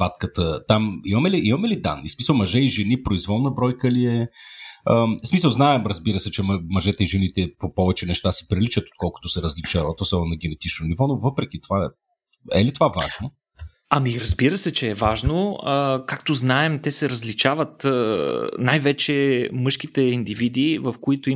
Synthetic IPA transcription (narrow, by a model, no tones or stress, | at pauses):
b̥at̪kət̪ət̪amimɐmɛliʔimɐmɛlid̪a̰nːismisəlˠmɐʒɛiʒɛnipɾoizvɔlˠnəbɾɔjkəliɛ | əsmisəlˠznaɛmɾəzbiɾəsɛt͡ʃɛmɐʒɛt̪əiʒɛnit̪ɛpopɔvɛt͡ʃɛnɛʃt̪asɛ̥pɾilit͡ʃət̪o̥t̪̚kɔlˠko̥t̪osɛɾəzlit͡ʃavət̪osɛvˠnɐɡ̟ʲɛnɛt̪it͡ʃnonivɔnovɤpɾɛk̟it̪ova | ɛ̰lit̪ovava̰ʒno | ɐmiɾɐzbiɾəsɛt͡ʃɛːvaʒnoəkakt̪oznaɛmt̪ɛsɛɾəzlit͡ʃavət̪ənajvɛt͡ʃɛmɤʃk̟it̪ɛind̪ivid̪ivɐfkoit̪ʊi